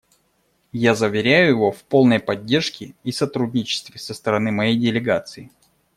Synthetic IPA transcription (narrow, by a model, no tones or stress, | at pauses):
jazəvʲɪɾʲæjʊjɪvo̞fpo̞lˠnəjpɐdʲːerʂkʲɪisɐt̪ɾudʲnʲɪt͡ɕɪ̥st̪vʲɪsəst̪əɾɐnɨmɐjejdʲɪlʲɪɡat̪sɨɪ